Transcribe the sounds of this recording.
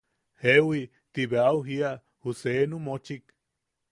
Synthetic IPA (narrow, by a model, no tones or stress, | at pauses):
hewi | t̪iβeawɦia | husenũmot͡ʃik